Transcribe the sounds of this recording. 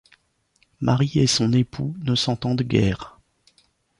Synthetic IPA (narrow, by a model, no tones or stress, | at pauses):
maʁiesɔ̃nepʰunəsɑ̃t̪ɑ̃d̪ɡʲɛ̰ːʁ